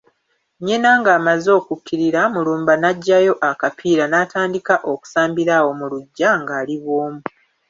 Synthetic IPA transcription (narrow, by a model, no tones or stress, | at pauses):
ɲenaŋɡaːmazo̞ːkukʰːiɾiɾamuluːmbanaɟːajo̞ʔakapʰiːɾanaːtaːndikaʔo̞ku̥saːmbiɾawo̞muluɟːaŋɡaːliβwo̞ːmu